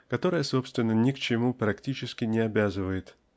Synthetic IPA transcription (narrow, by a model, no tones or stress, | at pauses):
kɐt̪o̞ɾəjəso̞pst̪vʲɪnːənʲɪkt͡ɕɪmupɾɐktʲit͡ɕɪskʲɪnʲɪɐbʲazɨvəjɪt̪